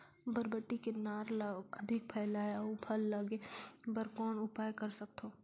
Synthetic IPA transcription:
bɐɾbəʈːikenaːɾlɐd̪ʱɪk̚pʰɛːlaːjaopʰɐlːɐɡebəɾkɔːnʊpaːjkɐɾsɐk̚t̪ʰoː

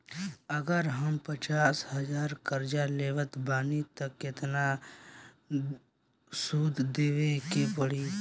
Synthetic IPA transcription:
əɡəɾɦəmpət͡ʃaːsɦəd͡ʒaːɾkəɾd͡ʒaleːʋət̪baːnit̪əkːɪt̪na | suːd̪ʱd̪eːʋekepəɽiː

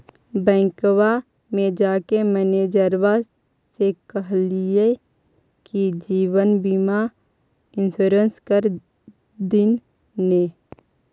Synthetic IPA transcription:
bɛ̃ːŋkwa | mẽd͡ʒaːkemɛːned͡ʒəɾwa | sekəɦlie | kid͡ʒiːwənbima | ɪnsoːɾənskəɾ | d̪ɪn | neː

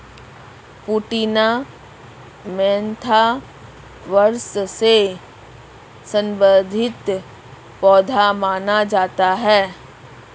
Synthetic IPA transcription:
puːʈina | mɛ̃ːnt̪ʰa | ʋəɾsse | sə̃mbəd̪ʱɪt̪ | pɔːd̪ʱamaːnad͡ʒaːt̪aɦɛː

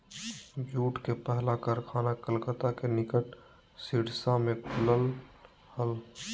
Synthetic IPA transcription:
bjuːʈkepɛɦlakəɾkʰaːnakəlkət̪akenɪkəʈ | siɽsamẽkʰʊləl | həl

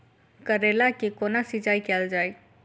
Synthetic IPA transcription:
kəɾelakikonasid͡ʒaːikɛːld͡ʒaːj

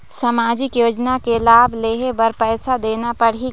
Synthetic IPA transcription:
sɐmaːd͡ʒɪkjoːd͡ʒnakelaːbʱleːɦebɐɾpɛːsad̪eːnapɐɽi

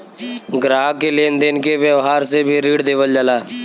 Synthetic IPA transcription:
ɡɾaːɡ̚kelend̪eɪnkeʋjəʋɦaːɾsebʱiɾiːɽd̪eːʋəld͡ʒalaː

